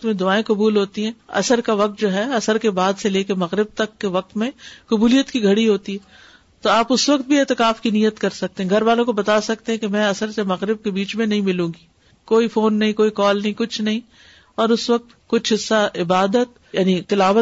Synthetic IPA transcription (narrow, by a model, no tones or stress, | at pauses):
t̪mẽd̪ʊaːẽkɐbuːlɦoːt̪iɦɛ̃ːɐ̰səɾkaʋɐk̚t̪̚d͡ʒoːɦɛɐsəɾkebaːd̪seleːkemɐɣɾɪb̚t̪ɐkːeʋɐq̚t̪mẽkʊbuːlijət̪kiɡʱɐɽiɦoːt̪iɦɛ̃ː | t̪oaːpʊsʋɐk̚t̪̚bʱieːt̪ɪkaːfkinijːət̪kɐɾsɐk̚t̪ẽɦɛ̃ɡʱɐɾʋaːlõkobɐt̪asɐk̚t̪eɦɛ̃kemɛ̃ːɐsəɾsemɐɣɾɪb̚kebiːt͡ʃmẽnɐɦĩmɪlũːɡi | koːifoːnːɐɦĩkoːikɔːlnɐɦĩkʊt͡ʃʰnɐɦĩ | ɔːɾʊsʋɐk̚t̪kʊt͡ʃʰɦɪsːaɪbaːd̪ət̪ | jaːnikɪlaːʋə